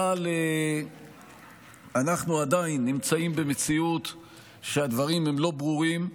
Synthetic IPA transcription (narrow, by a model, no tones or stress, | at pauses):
ale | anaχnuad̪ainːimt͡saimbe̞met͡siut̪ | ʃead̪vaʁimemlo̞bʁuʁim